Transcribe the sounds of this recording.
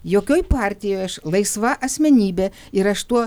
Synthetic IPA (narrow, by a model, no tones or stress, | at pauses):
joːkʲoːjpɑːɾʲt̪ʲɪjoːjɐʃlˠɐɪsʋɑʔɐsʲmʲɛnʲiːbʲeː | ɪɾɐʃt̪uɔ